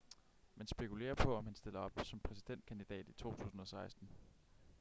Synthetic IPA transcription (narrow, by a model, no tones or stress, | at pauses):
mensb̥e̝kʰule̝̰ːɐpʰɒ̽ɒ̽mhænsd̥e̝l̰ɐɒ̽b̥sɒ̽mpʰʁɛsid̥en̰d̥̚kʰænd̥id̥ɛ̰ːd̥it͡sʰo̝̰ːt͡sʰṵːsn̩ɒ̽sɑ̈ɪsd̥n̩